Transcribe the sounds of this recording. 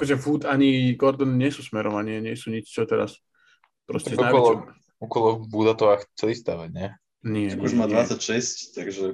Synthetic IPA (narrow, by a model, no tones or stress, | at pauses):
kɔʒɛfut̪aɲiɡɔɾd̪ɔnɲɪɛsusmɛɾɔmaɲiɛɲɪɛsuːɲit͡ʃt͡ʃɔt̪ɛɾa̰s | pɾɔ̰scɛɔajʋkɔɛlɔ | ɔkɔlˠɔbud̪at̪ɔʋaxt͡sɛlist̪aʋaɲɛ | nɪɛakuʒmad̪ʋat͡sːacʃɛsct̪aɡʒɛ